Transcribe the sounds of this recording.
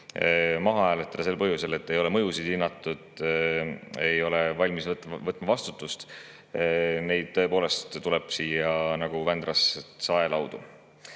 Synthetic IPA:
mɑɦɑæːlet̪ːˑɑd̪̥ɑse̞lpɤɦjuse̞le̞t̪ːe̞jo̞le̞mɤjusid̪̥inːɑt̪ːˑud̪̥ | e̞jo̞levɑlʲmisvɤt̪ːvɤt̪ːˑmɑvɑst̪ut̪ːˑust̪ | ne̞jd̪̥̚t̪ɤ̞e̞po̞ːle̞st̪ːule̞b̥siːjɑnɑɡ̥uvænd̪rɑssɑe̞lɑwd̪̥u

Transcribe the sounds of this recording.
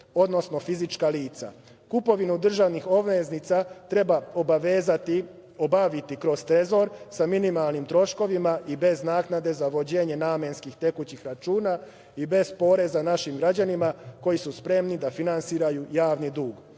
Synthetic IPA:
o̞d̪no̞sno̞fizit͡ʃkaliːt̪sa̰ | kupo̞ʋinud̪r̩ʒaʋnixo̞ʋeznit̪sat̪ɾe̞baobaʋeːzat̪i | obaʋit̪ikɾo̞st̪ɾe̞zo̞ɾsaminimalˠnimt̪ɾo̞ʃko̞ʋimaʔibe̞znaːknad̪e̞zaʋo̞d͡ʑe̞ːɲe̞naːmenskixt̪e̞kut͡ɕixɾat͡ʃuːna | ibe̞zpo̞ɾe̞zanaʃimɡɾad͡ʑanimako̞jisuspɾe̞mnid̪afinansiːɾajujaːʋnid̪uːɡ

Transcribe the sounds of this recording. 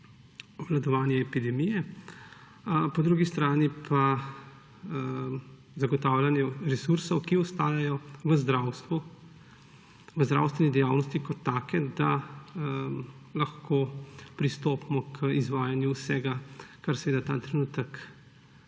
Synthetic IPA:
ʋlad̪ɔʋaːnjɛːpid̪ɛmijɛ | pɔd̪ɾuɡist̪ɾaːnipʰa | zaɡɔt̪aːwlʲanjɛɾɛsuɾsɔwkiɔst̪aːjajɔʋəzd̪ɾaːwst̪ʋu | ʋəzd̪ɾa̰wst̪ʋɛnid̪ɛjaːwnɔst̪ikɔt̪ːaːkɛd̪a | laxkʰoːpɾist̪oːpmɔkʰizʋaːjanjuwsɛːɡakaɾsɛʋeːd̪at̪a̰ːt̪ɾɛnuːt̪ək

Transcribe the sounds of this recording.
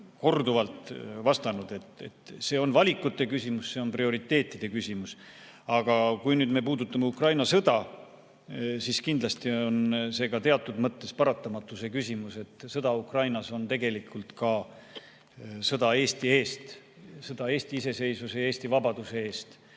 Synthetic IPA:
ko̞rd̪uvɑlt̪vɑst̪ɑnud̪̥e̞t̪ḛt̪se̞ːo̞nvɑlʲikːˑut̪ːe̞kysʲimusse̞o̞nprio̞ɾit̪ːˑe̞ːt̪ˑːid̪̥e̞kysʲimusɑɡ̥ɑkujnyːd̪me̞puːd̪ut̪ːˑɑmeukrɑjnɑsɤd̪̥ɑ | siskind̪lɑst̪io̞nse̞ːɡɑt̪e̞ɑt̪ˑːud̪̥mɤt̪ːe̞spɑɾɑt̪ːˑɑmɑt̪ːˑuse̞kysʲimuse̞t̪sɤd̪̥ɑukrɑjnɑso̞nt̪e̞ɡe̞likːult̪kɑ | sɤd̪̥ɑe̞ːst̪ie̞ːst̪ | sɤd̪ɑe̞ːst̪iise̞se̞jsuse̞e̞ːst̪ivɑbɑd̪use̞e̞ːst̪

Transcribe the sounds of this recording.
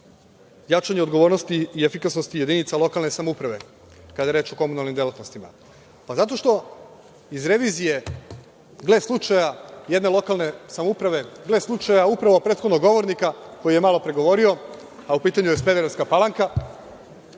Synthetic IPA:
jat͡ʃaɲeo̞d̪ɡoʋo̞ɾnost̪iiefikasnost̪ije̞d̪init̪salˠo̞kalˠne̞samoupɾaʋe̞ | kad̪ajeɾeːt͡ʃo̞ko̞munalnimd̪jelat̪nost̪ima̰ | pazat̪o̞ʃt̪o̞ | izɾe̞ʋizije̞ | ɡle̞slˠut͡ʃajajed̪ne̞lˠo̞kalˠne̞samoupɾaʋe̞ɡle̞slˠut͡ʃajaupɾaʋo̞pɾet̪xod̪noɡo̞ʋo̞ɾnikako̞jije̞malo̞pɾeɡo̞ʋo̞ɾio̞ | aupiːt̪aɲujesped̪eɾeskapalˠaŋka

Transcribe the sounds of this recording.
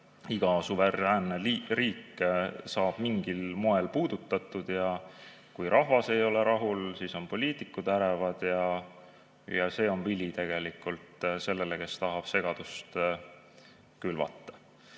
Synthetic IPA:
iɡ̥ɑsuveɾæːnːeliriːkːsɑːb̥miŋɡ̥ilmo̞e̞lpuːd̪ut̪ːˑɑt̪ːˑud̪̥jɑ | kujɾʔɑɦvɑse̞jo̞le̞ɾɑɦulsiːso̞npo̞lʲiːt̪ikːˑud̪̥æɾevɑd̪̥jɑ | jɑse̞ːo̞nvilʲit̪e̞ɡ̥e̞likult̪se̞lːe̞leke̞st̪ɑɦɑb̥se̞ɡ̥ɑd̪̥ust̪ | kylvɑ̰t̪ˑːɑ̥

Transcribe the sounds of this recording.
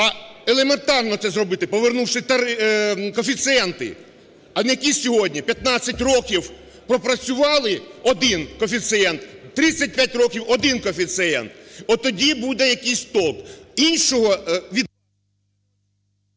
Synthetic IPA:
ɐelˠement̪ɑrnɔt̪sɛzrɔbɪt̪ɪpɔʋernuwʃɪt̪ɐɾɪkɔfʲit̪sɨɛnt̪ɪ̰ | ɐjɐkʲisʲɔɦɔdʲnʲipʲjɐt̪nɑt͡sʲːɐtʲrɔkʲiw | pɾɔpɾɐt͡sʲʊʋɑlˠɪɔd̪ɪnkɔfʲit̪sɨɛnt̪t̪ːɾɪt͡sʲːɐt̚ʲpʲjatʲrɔkʲiwɔd̪ɪnkɔfʲit̪sɪɛ̰nt̪ɔt̪ɔdʲibud̪ɛjɐkijsʲt̪ɔlˠkinʲʃɔɦɔʋʲid̪

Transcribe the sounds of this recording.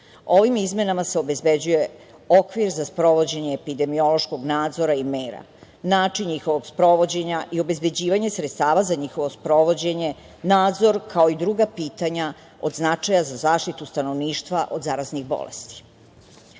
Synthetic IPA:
o̞ʋimizme̞namase̞o̞be̞zbed͡ʑuje̞ | okʋiɾzaspɾo̞ʋo̞d͡ʑe̞ɲe̞ːpid̪e̞mio̞lo̞ʃko̞ɡnaːd̪zo̞ɾaimeːɾa̰ | naːt͡ʂinɲixo̞ʋo̞ɡspɾo̞ʋo̞d͡ʑe̞ɲaʔio̞be̞zbe̞d͡ʑiːʋaɲe̞sɾet̪st̪aːʋazaɲixo̞ʋospɾo̞ʋo̞d͡ʑe̞ɲe̞ | naːd̪zo̞ɾkʰao̞id̪ɾuːɡapiːt̪aɲa | o̞̰d̪znat͡ʂajazazaːʃt̪it̪ust̪ano̞ʋniːʃt̪ʋaʔo̞d̪zaɾazniɣbo̰lḛst̪i̥

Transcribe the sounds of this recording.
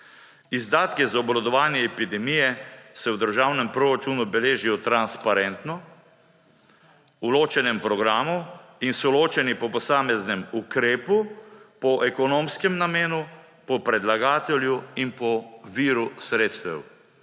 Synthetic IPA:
izd̪aːt̪kizaɔblɔd̪ɔʋaːnjɛːpid̪ɛmijɛsɛwd̪əɾʒaːwnɛmpɾoːɾat͡ʃunubɛleːʒijɔt̪ɾanspaɾɛnt̪nɔ | uloːt͡ʃɛnɛmpɾɔɡɾaːmuinsɔloːt͡ʃɛnipɔpɔsaːmɛznɛmukɾeːpupɔʔɛkɔnoːmskɛmnameːnu | pɔpɾɛd̪laɡaːt̪ɛljuinpɔʋiːɾusɾeːt̪st̪ɛ̰w

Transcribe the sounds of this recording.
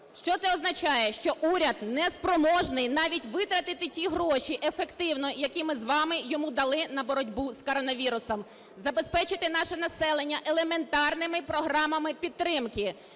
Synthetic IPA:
ʃt͡ʃɔt̪sɛɔznɐt͡ʃɑjɛʃt͡ʃɔʔuɾʲɐd̪nɛspɾɔmɔʒnɪjnɑʋʲitʲʋɪt̪ɾɐt̪ɪt̪ɪtʲiɦɾɔʃiʔefekt̪ɪwnɔjɐkʲimɪzʋɑmɪjɔmud̪ɐlˠɪnɐbɔɾɔdʲbuskɔɾɔnɐʋʲiɾʊsɔm | zɐbe̞spɛt͡ʃɪt̪ɪnɑʃɛnɐsɛlˠenʲːɐʔelˠement̪ɑrnɪmɪpɾɔɦɾɑmɐmɪpʲid̪̚t̪ːɾɪmkɪ

